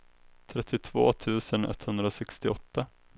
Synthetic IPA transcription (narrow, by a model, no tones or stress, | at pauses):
t̪ʰɾɛt̪ːɪt̪ʰv̥o̰ːt̪ʰʉ̟ːsənɛ̰t̪ːhɵnd̪ɾasɛkst̪ɪɔt̪ːa